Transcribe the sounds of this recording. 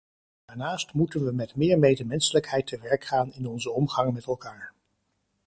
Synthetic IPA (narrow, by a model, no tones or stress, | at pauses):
d̥aːɹnaːstmutənʋəmɛtmɪːɹmejdəmɛnsələkɦɛjtʰəʋɛɹkχaːnɪnɔnzəɔmχɑŋmɛtɛlˠkaːɹ